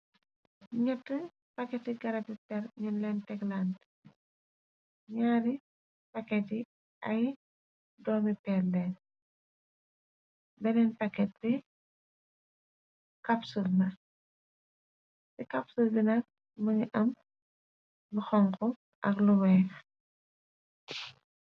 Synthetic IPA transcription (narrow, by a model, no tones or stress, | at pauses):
ɲɛtːə | pɐkːɛtiɡɐɾɐbipɛɾɲunlɛntɛɡlant | ɲaːɾi | pɐkːɛti | ʔɐj | dɔːmipɛrlɛːn | bɛnɛnpɐkːɛt̚bi | kapsulnɐ | sikɐpsulbinɐk̚ | mɐɲiʔɐm | luxɔŋkɔ | ʔɐkluwɛːx